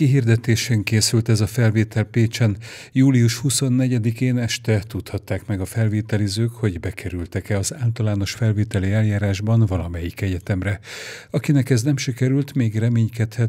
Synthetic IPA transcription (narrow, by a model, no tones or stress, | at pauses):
kiɦird̪ɛt̪eːʃɛŋkeːsylt̪ɛzɒfɛlveːt̪ɛlpeːt͡ʃɛn | juːliuʃhuso̞nːɛɟɛd̪ikeːnɛʃt̪ɛt̪ut̪hɒt̪ːaːkmɛɡɒfɛlveːt̪ɛlizøːkho̞ɟbɛkʰɛɾylt̪ɛkɛɒzaːlt̪ɒlaːno̞ʃfɛlveːt̪ɛliɛljaːɾaːʒbɒnvɒlɒmɛjikɛɟɛt̪ɛmrɛɒkinɛkɛznɛmʃikɛɾylt̪meːɡrɛmeːɲkɛt̪hɛt̪